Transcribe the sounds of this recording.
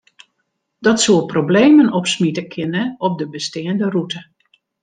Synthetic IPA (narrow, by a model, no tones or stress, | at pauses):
dɔtsuəprobleːmənɔpsmitəkʰɪnəɔp̚dəbəstɪːəndərutə